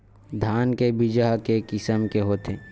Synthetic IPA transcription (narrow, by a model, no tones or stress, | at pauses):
d̪ʱjaːnkebɪd͡ʒaɦkekɪsəmkeɦoːt̪eː